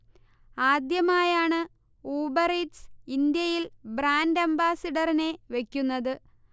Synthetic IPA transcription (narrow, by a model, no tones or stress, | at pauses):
aːd̪jɐmaːjaːɳɨ | oːbɐreʈsind̪jɐjilbɾaːndɐmbaːsɐɖɐrine̞ʋe̞kʲːunːɐðɨ